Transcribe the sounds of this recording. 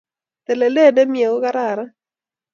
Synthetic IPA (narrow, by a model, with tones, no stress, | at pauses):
t̪e˨le˨le˦˨de˦mje˨o˦ka˦ɾa˨ɾa˦